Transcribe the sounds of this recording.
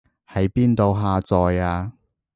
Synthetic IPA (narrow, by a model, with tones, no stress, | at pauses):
hɐ˨˥jpiː˥nt̪o˨˧wɦaː˧t͡sɔː˨˧jaː˧